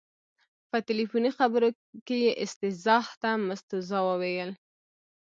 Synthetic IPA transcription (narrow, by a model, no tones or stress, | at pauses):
pət̪ɪlifunixabəɾo | kejeʔɪst̪ɪzɑht̪amast̪uzɑwəwejəl